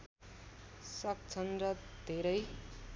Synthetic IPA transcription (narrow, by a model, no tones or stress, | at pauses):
sʌk̚t͡sʰʌnrʌd̪ʱeɾʌj